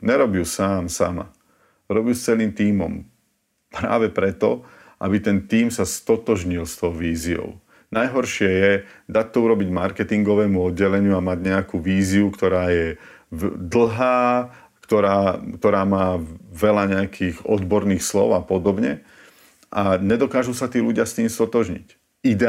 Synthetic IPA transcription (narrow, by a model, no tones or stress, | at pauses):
ɲɛɾɔbjuːsaːmsa̰ma̰ | ɾɔbjuːst͡sɛliːmt̪iːmɔ̰m | pɾa̰ːʋɛpɾɛt̪ɔ | ʔa̰bit̪ɛnt̪iːmsast̪ɔt̪ɔʒɲilst̪ɔʊʋiːziɔ̰ʊ | najɦɔɾʃɪɛjɛd̪ac̚t̪ɔuɾɔbiɟmaɾkɛt̪iŋɡɔʋɛːmuɔd̪ɟɛlɛɲɪuamaɟɲɛakuːʋiːziukt̪ɔɾaːjɛ | d̪l̩ˠɦaː | kt̪ɔɾaːkt̪ɔɾaːmaːʋɛlaɲɛakʰiːɣɔ̰d̪bɔɾniːxslɔ̰ʊapɔd̪ɔbɲɛ̰ | ʔaɲɛd̪ɔkaːʒusat̪iːluɟɪast̪iːmst̪ɔt̪ɔʒɲḭc | id̪ɛ